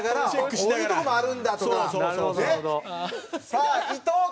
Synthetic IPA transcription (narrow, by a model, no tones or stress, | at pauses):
ɡaɾaoeɯt̪okomoaɾɯnd̪at̪okaoed | sait̪o